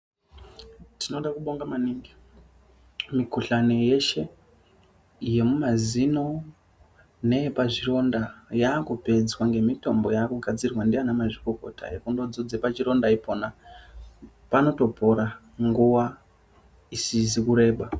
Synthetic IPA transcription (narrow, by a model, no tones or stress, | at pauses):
tino̞ɗakuɓoŋɡamaniŋɡi | mikuɬaneje̞ʃe̞ | ije̞mumazino̞ | ne̞paʐiro̞ndajaːkupe̞d͡zwaŋɡe̞mito̞mbo̞jaːkuɡʱad͡zirwandianamaʐikoko̞̰tʰa̰jekundod͡zod͡ze̞pat͡ʃiɾo̞ndaipo̞na | pano̞to̞po̞ɾa | ŋɡuwa | isizikuɾe̞ːɓa